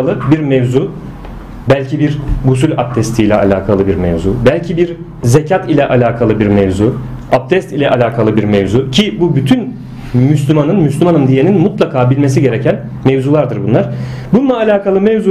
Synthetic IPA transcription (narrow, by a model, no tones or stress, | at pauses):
lˠɯbiɾmevzu | bælʲcʰibiɾɡus̬ylʲap̚t̪ʰɛst̪ʰiːlʲɛa̰lʲaːkʰalˠɯbiɾmḛvzubælʲcʰibiɾ | zecʰat̪ilʲɛʔalʲaːkʰalˠɯbiɾmevzu | ap̚t̪ʰɛst̪ilʲɛʔalʲaːkʰalˠɯbiɾmevzucʰibubyt̪ʰyn | myslʲymanɯnmyslʲymanɯmd̪ije̞ninmut̪lˠakʰaːbilʲmes̬iɟe̞ɾecʰæn | mevzulˠaɾd̪ɯɾbunlˠaɾ̥ | bunlˠaːlʲaːkʰalˠɯmevzu